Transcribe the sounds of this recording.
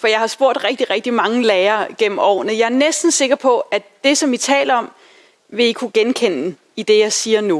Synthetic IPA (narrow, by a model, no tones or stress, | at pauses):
fɒ̽jɑ̈ɪhɑ̈sb̥o̝ɐ̰d̥ʁɛɡ̥̚d̥iʁɛɡ̥̚d̥imɑ̈ŋəleːɐɡ̥em̰m̩ɒ̰ːnðjɑ̈æɐnesd̥n̩se̝ɡ̥ɐpʰɒ̽æd̥e̝sɒ̽mit͡sʰɛ̰ːlɐɒ̽m | ʋe̝ikʰuɡ̥enkʰen̰ | id̥e̝jɑ̈ɪsiːɐnu